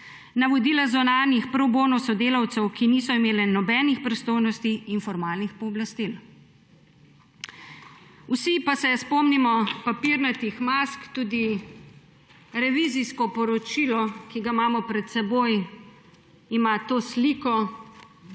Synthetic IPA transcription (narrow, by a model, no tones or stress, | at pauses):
naʋɔd̪iːlazɔnaːnixpɾɔwboːnɔsɔd̪eːlawt̪sɛwkiniːsɔimeːlɛnɔbɛːnixpɾist̪oːjnɔst̪iːnfɔɾmaːlnixpɔːblast̪il | wsipasɛspɔmnimɔpapiɾnat̪ixmaskt̪uːd̪i | ɾɛʋiziskɔpɔɾɔt͡ʃilɔkiɡamaːmɔpɾɛt̪sɛboj | imat̪oːslikɔ